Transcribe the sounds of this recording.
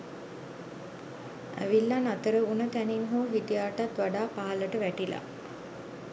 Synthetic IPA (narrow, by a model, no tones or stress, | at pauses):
æ̰ʋilːanat̪əɾəunət̪æninɦoːɦit̪ijaːʈat̪ʋaɖaːpaɦaləʈəʋæʈila̰